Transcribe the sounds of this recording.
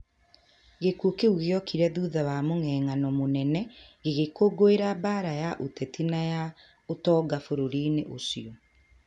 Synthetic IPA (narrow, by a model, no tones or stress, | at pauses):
ɣekuokeuɣeɔkiɾɛðuːðawamoŋɛːŋanɔmonɛnɛɣeɣekoɡoeɾabaːɾajaʔotɛtinaja | otɔːɡafoɾoɾiːneʔosiɔ